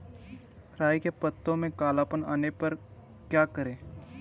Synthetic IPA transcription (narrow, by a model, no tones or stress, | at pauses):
ɾaːjkepət̪ːõmẽkaːlaːpənaːnepɐɾ | kjaːkəɾẽː